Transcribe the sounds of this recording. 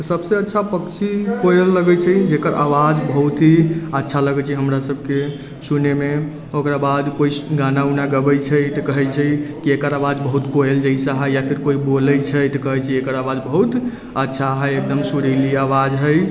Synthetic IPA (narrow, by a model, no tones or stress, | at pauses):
səbseətːʃʰapəkt͡ʃʰikoelːəɡɛt͡ʃʰɛd͡ʒekəɾʔa̰ʋad͡ʒbəɦut̪iətːʃʰaləɡɛt͡ʃʰiɦəmɾasəbʱke | suneme | okɾabad̪koiɡanaunaɡəbət͡ʃʰəjt̪əkəɦɛt͡ʃʰɛjkiekəɾawad͡ʒbəɦut̪koeld͡ʒəisaɦəjjapʰiɾkoibolət͡ʃʰəjt̪əkəɦɛt͡ʃʰiekəɾawad͡ʒbəɦut̪ | ətːʃʰaɦəjek̚d̪əmsuɾiliawad͡ʒɦəj